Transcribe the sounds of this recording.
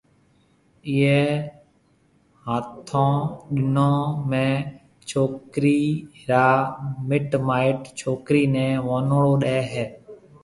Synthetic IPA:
ɪeː | ɦaːt̪ʰõːɗɪnõːmẽː | t͡ʃʰoːkɾiːɦɪɾaːmɪʈmaːɪʈt͡ʃʰoːkɾiːnɛ̃ːʋoːnɭoːɗeːɦɛː

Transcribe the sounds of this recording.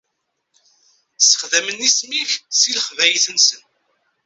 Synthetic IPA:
sə̥χðæmənːismifsiləχvæjθənsən

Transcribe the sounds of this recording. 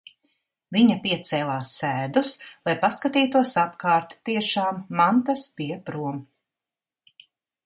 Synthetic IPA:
viɲɐpiɛt̪sɛːlˠaːsːæːd̪uslˠajpaskat̪iːt̪uɔsapkaːɾt̪t̪iɛʃaːmːant̪aspiɛpɾuɔm

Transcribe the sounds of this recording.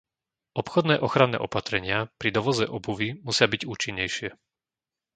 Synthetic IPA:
ɔpxɔd̪nɛːʔɔxɾanːɛ̰ːʔɔpat̪ɾɛɲɪapɾid̪ɔʋɔzɛʔɔbuʋimusɪabiɟuːt͡ʃiɲːɛjʃɪɛ

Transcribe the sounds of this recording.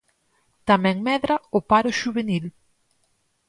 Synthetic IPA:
t̪amɛ̃ŋmɛðɾɐʊpaɾʊʃuβenil

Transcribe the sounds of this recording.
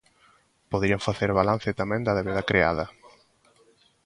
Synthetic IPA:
poðɾiaɱfaθeɾβalan̟θet̪amɛ̃ŋd̪aðeβeðɐkɾea̰ðɐ

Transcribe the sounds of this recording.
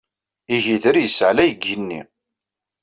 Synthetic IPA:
iʝiðəɾjəsʕlæjəɡːənːḭ

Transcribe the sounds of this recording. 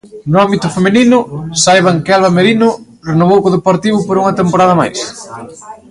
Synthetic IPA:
nʊambit̪ʊfemeninʊsajβaŋkalβameɾinʊ | renoβ̞owkoðepoɾt̪iβʊpoɾuŋɐt̪empoɾaðɐma̰js

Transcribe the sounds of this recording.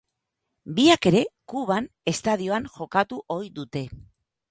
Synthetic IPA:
biake̞ɾe̞kuβ̞an | e̞st̪að̞io̞aŋxo̞kat̪uʔo̞jðut̪e̞

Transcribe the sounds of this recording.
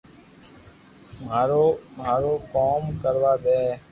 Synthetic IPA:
maːɾoːmaːɾoːkoːmkəɾʋaːɓ̪ɛː

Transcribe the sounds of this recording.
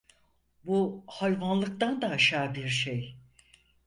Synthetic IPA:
buhajvanlˠɯk̚t̪and̪aːʃaːbiɾʃej

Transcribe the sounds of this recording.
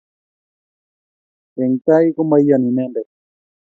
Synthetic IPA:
eŋkajkomajjanĩnẽnde

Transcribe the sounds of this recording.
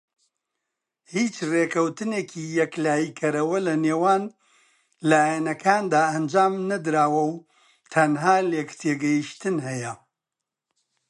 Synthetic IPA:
hiːt͡ʃrekʰɐwt̪ɨneːkʰiːjɛklaːjikʰɐɾɐwɐlɐneːwaːn | laːjɛnɐkʰaːnd̪aːɐnd͡ʒaːmnɐd̪ɾaːwɐw | t̪ʰɐnɦaːleːkt̪ʰeɡɐjiʃt̪ɨnhɛjɐ

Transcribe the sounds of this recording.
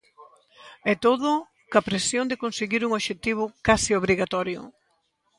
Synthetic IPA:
ɛt̪oðʊ | kɐpɾesjond̪ɪkonseɣiɾuŋoβʃet̪iβ̞ʊkasɪoβɾiɣat̪ɔɾjʊ̰

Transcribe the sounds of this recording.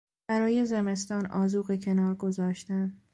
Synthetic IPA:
b̥æɾɒːje̞zeme̞st̪ɒːnɒ̰ːzuːɣecʰe̞nɒːɾɡo̞zɒːʃt̪æn

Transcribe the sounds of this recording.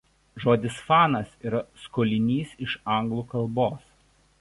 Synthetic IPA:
ʒoːd̪ʲɪsfɑːnɐsiːɾɐskoːlʲɪnʲiːsɪʃɐˑŋɡlˠuːkɐlˠboːs

